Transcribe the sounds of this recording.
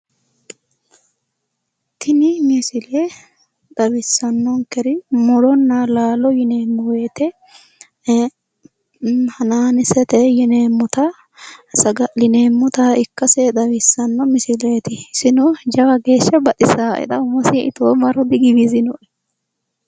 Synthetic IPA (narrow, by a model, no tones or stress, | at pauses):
t̪ʰɪnɪmɪsɪle | d̪̥ɐwɪsːɐnːɔŋkɛɾɪmɔɾɔnːalaːlɔjɪneːmːʊweːt̪ɛ | hɐnaːnɪsɛt̪ɛjɪneːmːʊt̪ɐ | sɐɡɐlɪneːmːʊt̪aɪkːɐsed̪ɐwɪsːɐnːɔmɪsɪleːt̪ɪsɪnɔd͡ʒɐbɐɡe̞ːʃːɐbɐt̪ʼɪsaːʔɛ̰t̪ɐʊmɔsɪɪ̰t̪oːmɐɾʊd̪ɪɡɪbɪzɪnɔʔɛ